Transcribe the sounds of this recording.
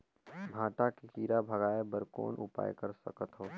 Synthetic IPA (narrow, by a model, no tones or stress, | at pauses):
bʱãːʈakekiːɾabʱɐɡaːebəɾko̰ːnʔʊ̰pa̰ːjkəɾsɐ̰kət̪ɦoː